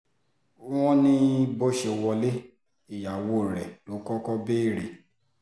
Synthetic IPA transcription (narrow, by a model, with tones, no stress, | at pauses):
w̃ɔ̃˦nĩ˧˦bo˦ʃe˧wɔ˧le˦ | i˨ja˨wo˨˦˨ɾɛ˨nõ˨˦kɔ˦kɔ˦be˦˨ɾe˨